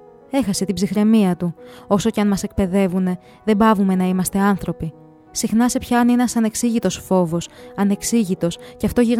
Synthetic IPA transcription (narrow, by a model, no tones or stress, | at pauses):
e̞xɐse̞t̪ibzixɾe̞miɐt̪uo̞so̞ceɐnmɐse̞k̚pe̞ðe̞vune̞ | ðe̞bɐvume̞nɐimɐst̪e̞ɐnθɾo̞pi | sixnɐse̞pçɐːnenɐsɐne̞ksiʝit̪o̞sfo̞vo̞sɐne̞ksiʝit̪o̞sceɐft̪o̞ʝiɣ